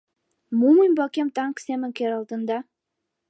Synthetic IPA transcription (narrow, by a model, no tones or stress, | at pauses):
muməjmbɑkʲemt̪ɑŋksemɘ̆ŋkʲeɾɑlˠd̪ɤ̆nd̪ɑ